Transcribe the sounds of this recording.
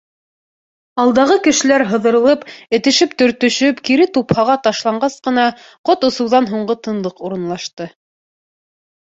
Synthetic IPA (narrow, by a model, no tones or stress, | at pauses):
ɑlˠd̪ɑʁɤkɘ̆ʃɘ̆læɾɦɤ̆ðɤ̆ɾɤ̆lˠɤpɘ̆t̪ɘ̆ʃɘpt̪ɵ̆ɾt̪ɵ̆ʃɵpkiɾɘt̪uphɑʁɑt̪ɑʃlˠɑɴɢɑsqɤ̆nɑ | qot̪ŏsɤ̆wðɑnɦuɴɢɤt̪ɤ̆nlˠɤquɾɤ̆nlˠɑʃt̪ɤ